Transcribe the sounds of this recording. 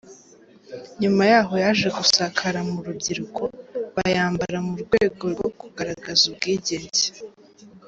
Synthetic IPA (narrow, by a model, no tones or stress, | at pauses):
ɲumajaːɦo̞jaʒe̞ɡusakʰaɾamuɾubɟiɾukʰo̞βajaːmbaɾamuɾɡweːɡo̞ɾɡoɡuɡaɾaɡazub̚ɡiːɟeːɲze̥